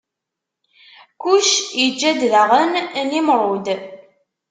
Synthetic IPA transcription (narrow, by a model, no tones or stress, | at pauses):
kuʃjəd͡ʒːæd̪ðəʁənnimɾˤʊd̪